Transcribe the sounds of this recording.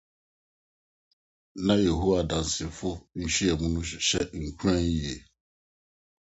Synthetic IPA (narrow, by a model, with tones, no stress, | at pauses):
nã˦je˨ɦu˦wa˨dã˨n̩˨sɪ˨fʊ˦n̩˦ʃi˦ɛ˨mũ˦nũ˦˨ɕɛ˦ŋ̩˨kʰu˦ɾã˦n˦i˨e˨